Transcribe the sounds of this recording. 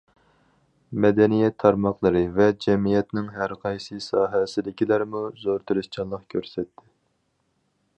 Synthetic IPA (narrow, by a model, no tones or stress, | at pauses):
mɛd̪ɛnijɛt̪ʰːɑɾmɑqlˠəɾɨvɛd͡ʒɛmijɛt̪nɪŋɦæɾqʰɑjsɨsɑːɦɛsɪd̪ɪkʲilæɾmuzoɾt̪ʰɨɾɨst͡ʃʰɑnlˠəqkʲʰøɾsɛt̪ʰːɪ